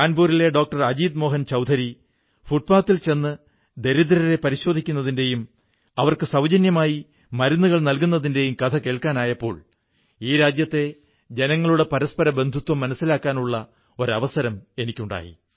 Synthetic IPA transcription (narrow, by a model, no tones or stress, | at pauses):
aːnbuːɾile̞ɖo̞ːk̚ʈɐrɐd͡ʑiːd̪mo̞ːɦɐnt͡ɕɐwd̪ʱɐɾi | fuʈ̚paːt̪ːilt͡ɕe̞nːɨ | d̪e̞ɾid̪ɾɐɾe̞pɐɾiɕo̞ːd̪ʱikʲːunːɐðinde̞jum | ɐʋɐrkɨsɐwd͡ʑɐnjɐmaːji | mɐɾunːuɣɐɭnɐlkun̪ːɐðinde̞jumkɐt̪ʰɐke̞ːɭkaːnaːjɐpːo̞ːɭ | iːɾaːd͡ʑjɐt̪ːe̞ | d͡ʑe̞nɐŋːɐɭuɽe̞pɐɾɐspɐɾɐbe̞nd̪ʱut̪wɐmːɐnɐsːilaːkːaːnuɭːɐ | o̞ɾɐʋɐsɐɾɐme̞nikʲːuɳɖa̰ːjḭ